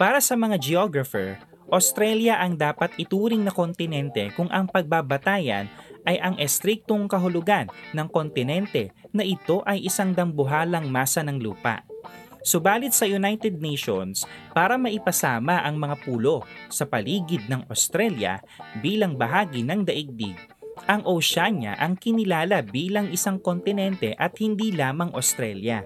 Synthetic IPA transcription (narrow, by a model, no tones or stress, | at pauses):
paːɾɐsɐmɐŋad͡ʒɛoɡɾɐfɛɹ | ʔost̪ɾɛljɐʔɐŋd̪aːpɐt̪ɪt̪uːɾɪŋnɐko̞nt̪ɪnɛnt̪ɛkʊŋʔɐŋpɐɡ̚babɐt̪aːjɐ̰nʔɐjʔɐŋʔɛst̪ɾik̚t̪oŋkɐɦʊlʊɡanːɐŋko̞nt̪ɪnɛnt̪ɛnɐʔɪt̪o̞ʔɐjʔɪsɐŋd̪ɐmbʊɦaːlɐŋmaːsɐnɐŋluːpɐ̰ʔ | sʊbaːlɪt̪̚sɐjʊnajt̪ɛd̪̚nɛjʃo̰nspaːɾɐmɐʔɪpɐsaːmɐʔɐŋmɐŋapuːlo̞sɐpɐliːɡɪd̪̚nɐŋʔo̰st̪ɾɛljɐ̰ | biːlɐŋbɐɦaːɡinɐŋd̪ɐʔiɡ̚d̪ḭɡ | ʔɐŋʔowʃaɲɐ̰ʔɐŋkɪnɪlaːlɐbiːlɐŋɪsaŋko̞nt̪ɪnɛnt̪ɛʔɐt̪̚hɪnd̪iːlaːmɐŋʔɐst̪ɾɛljɐ̰